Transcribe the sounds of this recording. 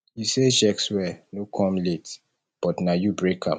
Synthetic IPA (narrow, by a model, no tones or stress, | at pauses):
jiseʃɛkswɛnokʰɔ̃mlet | b̥ɔtnajubɹekʰãm